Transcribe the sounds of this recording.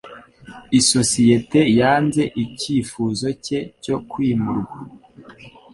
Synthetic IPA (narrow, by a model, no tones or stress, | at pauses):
iso̞sije̞te̞jaːnze̞ʔiciːfuːzo̞ce̞co̞kwiːmuɾuɡwa